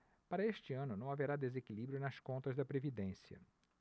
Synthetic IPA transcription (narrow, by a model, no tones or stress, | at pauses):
paɾɐeʃt͡ʃɪɐ̃nʊnɐ̃w̃aveɾad̪ezekilibɾjʊnɐskõnt̪ɐzd̪ɐpɾevid̪ẽsiɐ̰